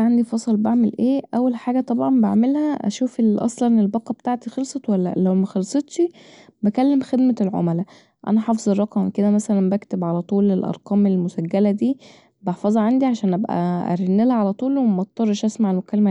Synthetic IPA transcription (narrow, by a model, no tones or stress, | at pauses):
ʕand̪ifɑsˤlbaʕmelʔeːʔæwːælħaːɡæt̪ˤɑbʕɑmbeʕmelhæʔæ̰ʃuːfelʔɑ̰sˤlɑnelbɑqːɑbet̪aːʕt̪ixelsˤɑt̪wælːæ̰læwmæxɑlsˤet̪ˤʃi | bækælːemxed̪mælʕo̰mælæ | ʔæ̰næħɑfezˤerˤːɑqɑmked̪æmæsælæmbækt̪ebʕalæt̪ˤuːlelʔɑ̰ɾˤqɑːmelmosæɡːælæd̪iː | bɑħfɑzˤɑʕand̪iʕaʃæːnʔæbʔæ̰ʔæ̰ɾenːelæʕalæt̪ˤuːlwemɑt̪ˤːɑrˤːɑʃʔæsmaʕelmokælːmæ